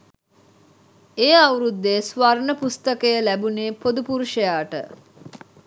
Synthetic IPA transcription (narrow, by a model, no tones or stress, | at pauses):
eːawɾud̪ːesʋarnəpust̪əkəjəlæbuneːpod̪upuɾuʃəjaːʈə̰